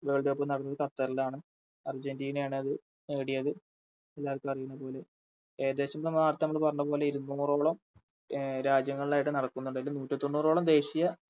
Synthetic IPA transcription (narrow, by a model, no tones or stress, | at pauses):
ʋeːɭɖeopːonɐɽɐnːɐðɨkɐrt̪ːɐɾilaːɳɨ | ɐrd͡ʑendiːnejaːɳɨɐðɨ | eːɽijɐðɨ | elːaːɐlkʲːɨɐrijunːɐpo̞ːle̞ | eːd̪e̞ːɕɐmt̪ɐmːɐaːɾt̪ːnɐmːɐɭɨpɐrɐnːɐpo̞ːleiɾunːuːro̞ːɭɐm | ɾaːd͡ʑjɐŋːɐɭilaːjiʈːɨnɐɽɐkːunːuɳɖɐlːinuːʈːit̪ːonːuːro̞ːɭɐmd̪e̞ːɕijɐ